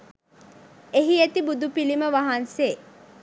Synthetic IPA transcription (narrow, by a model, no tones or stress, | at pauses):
eɦiet̪ibud̪upiliməʋaɦanseː